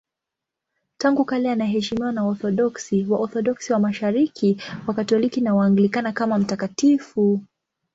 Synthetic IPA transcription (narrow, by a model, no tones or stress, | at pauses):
taŋɡukalɛanaɦɛʃimiwanaɔθɔɗɔksiwaʔɔθɔɗɔksiwamaʃaɾikʰiwakatɔlikinawaːŋɡilikanakamam̩takatifu